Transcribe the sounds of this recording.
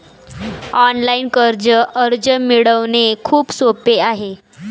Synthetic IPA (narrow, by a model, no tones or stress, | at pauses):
ɔnlainkəɾd͡ʑəʔəɾd͡ʑəmiɭəʋnekʰuːpsopeaɦe